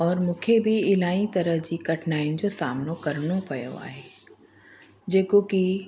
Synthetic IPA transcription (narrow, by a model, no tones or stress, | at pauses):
ɔːɾmũːkʰebʱiɪlaːĩt̪ɐɾəɦd͡ʑiːkɐʈʰnaːɪnɪ̆d͡ʑosaːmnokɐɾnopɐjo̰a̰ːɦeː | d͡ʑeːkoki